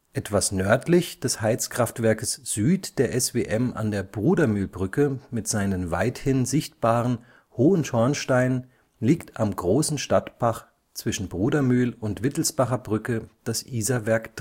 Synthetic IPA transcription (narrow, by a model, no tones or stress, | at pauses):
ʔɛtv̥asnœɐtʰlɪçd̥ɛshaɪt͡skʁ̥aftv̥ɛɐkəsz̥yːtd̥eːɐʔɛsveːʔɛma̰ndeːɐbʁuːdɐmyːlbʁʏkəmɪtz̥aɪnənva̰ɪthɪnzɪçtb̥aːʁən | hoːənʃɔɐnʃtaɪn | liːktamɡʁoːsn̩ʃtatpʰaχ | t͡sv̥ɪʃn̩bʁuːdɐmyːlʊntv̥ɪtl̩sb̥aχɐbʁʏkəd̥asʔiːzɐvɛɐkd̥